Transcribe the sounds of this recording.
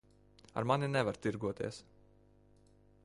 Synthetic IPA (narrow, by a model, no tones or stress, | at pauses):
a̰ɾmaninɛvaɾt̪iɾɡuɔt̪ḭɛs